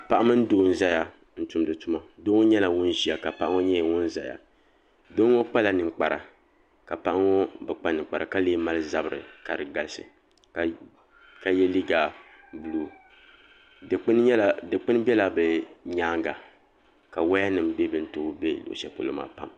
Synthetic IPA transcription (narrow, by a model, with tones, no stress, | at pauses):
pa˦ʔa˦mɨ˦n̩˦doː˦n̩˦za˦ja˨ | n̩˦tʊ˨mdɨ˨tʊ˦ma˦doː˦ŋ˦ɲɛ˦la˨wʊ˦n˦ʒi˨a˨ka˨pa˦ʔa˦ŋo˦ɲɛ˦jwʊ˦n˦za̰˨ja̰˨ | do˦ŋo˦k͡pa˦la˨nɨ˨k͡pa˨ɾa̰˨ | ka˨pa˦ʔa˦ŋo˦bɨ˨k͡pa˦nɨ˨k͡pa˨ɾa̰˨ka˦leː˦ma˦lɨ˦za˦bɨ˨ɾɨ̰˨ka˨ɾɨ˨ɡa˨lsɨ̰˨ | k | ka˨jɛ˦li˦ɡa˨ | bu˨luː˦˨˦ | n˦ldɨ˨k͡pɨ˦n˦bɛ˦la˨bɛ˨ɲaː˦ŋɡa˨ | ka˨wa˦ja˦nɨ˨m˦bɛ˦bɨ˦n̩˦toː˨˦be˦lo̰˨ʔʃɛ˦po˨lo˦ma̰ː˦pa˦˨m